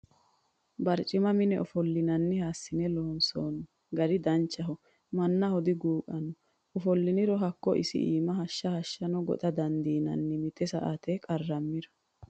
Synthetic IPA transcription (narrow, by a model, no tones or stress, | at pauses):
bɐɾt͡ʃʼɪmɐmɪnɛʔɔfɔlːɪnɐnːɪhaːsːɪnɛloːnsoːnɔ | ɡɐɾɪd̪ɐnt͡ʃːɐɦɔ | mɐnːɐhɔd̪ɪɡuːkʼɐnɔ | ɔfɔlːɪnɪɾɔɦɐkːɔ̰ʔɪ̰sɪ̰ʔḭːmɐɦɐʃːɐhɐʃːɐnɔɡɔ̰t̪ʼɐd̪ɐnd̪iːnɐ̰nːɪmɪt̪ɛsɐ̰ʔat̪ɛkʼɐrːɐmːɪɾɔ̥